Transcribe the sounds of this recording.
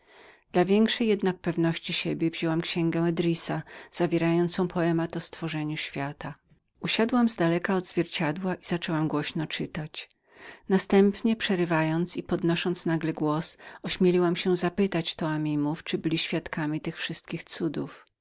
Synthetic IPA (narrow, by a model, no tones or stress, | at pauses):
d̪̥lavʲjɛŋkʂɛjːɛd̪nak̚pɛvnɔɕt͡ɕiɕebʲjɛvʑɛwamkɕɛŋɡɛ̃ɛd̪ɾʲisaz̥avʲjɛɾajɔnt̪sɔ̃w̃pʰɔɛmat̪ɔst̪fɔʐɛɲuɕfʲjat̪a | uɕad̪wamzd̪alɛkaɔd̪zvʲjɛɾt͡ɕad̪waʔiz̥at͡ʂɛwamɡwɔɕnɔt͡ʂɘt̪at͡ɕ | nast̪ɛmpɲɛpʂɛɾɘvajɔnt̪sipɔd̪nɔʂɔnt̪snaɡlɛɡwɔsɔɕmʲjelʲiwamɕɛzapɘt̪at͡ɕt̪ɔamʲimuft͡ʂɘbɘlʲiɕfʲjat̪kamʲit̪ɘxfʂɘst̪̚kʲixt̪sud̪uf